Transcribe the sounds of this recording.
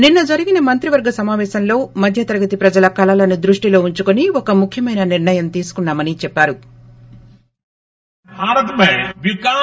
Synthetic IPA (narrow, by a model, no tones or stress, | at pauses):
ninːɐd͡ʒɐɾiɡinɐmɐnt̪ɾiʋɐɾɡɐsɐmaːʋɛːʃɐmlo̞ːmɐd̪ʱjɐt̪ɐɾɐɡɐt̪ipɾɐd͡ʒɐlɐkɐlɐlɐnud̪ɾuʂʈilo̞ːuɲt͡ʃukoniɔkɐmukʰjɐmɐjnɐniɾɳɐjɐmt̪iːsu̥kunːaːmɐnit͡ʃɛpːaːɾu | bʱaːɾɐt̪mɐʋikaː